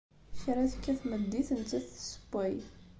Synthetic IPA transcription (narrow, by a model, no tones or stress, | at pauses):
çɾæθə̥kːæθməd̪ːiθənt͡s̪ːæθsə̥bʷæj